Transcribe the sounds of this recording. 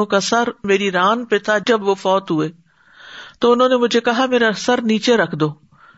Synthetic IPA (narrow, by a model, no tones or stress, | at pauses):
õkasɐɾmeːɾiɾaːnpet̪ʰad͡ʒɐbʋofɔːt̪ɦʊeː | t̪oːʊnɦõːnemʊd͡ʒʱekɐɦameːɾasɐɾniːt͡ʃeɾɐkʰd̪oː